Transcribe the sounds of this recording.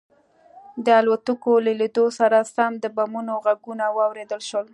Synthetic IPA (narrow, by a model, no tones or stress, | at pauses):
d̪əalwat̪əkoleled̪osaɾasamd̪əbamunoɣaɡunawɑwɾed̪əlʃwəl